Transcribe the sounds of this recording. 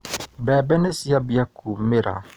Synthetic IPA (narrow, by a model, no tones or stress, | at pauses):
bɛbɛnesiabiakumeɾa̰